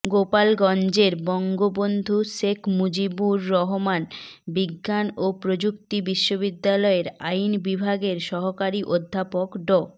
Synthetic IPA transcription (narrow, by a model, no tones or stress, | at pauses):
ɡopalɡɔnd͡ʑeɾbɔŋɡobond̪ʱuʃekʰmud͡ʑibuɾːɔɦomanbiɡːanopɾod͡ʑukt̪ibiʃːobid̪ːalɔeɾajnbibʱaɡeɾʃɔɦokaɾiʔod̪ʱːapokɖɔ